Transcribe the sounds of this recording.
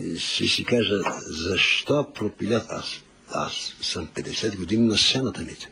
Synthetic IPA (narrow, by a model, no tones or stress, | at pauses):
sisikaʒɐzɐʃt̪ɔpɾopilʲat̪a̰s | a̰ssɐ̃mped̪esɛt̪ɡud̪imnɐsɛnɐt̪ɐmit̪